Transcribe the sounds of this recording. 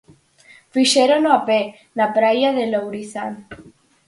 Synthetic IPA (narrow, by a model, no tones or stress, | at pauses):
fiʃeɾonoape | napɾajaðelowɾiθa̰n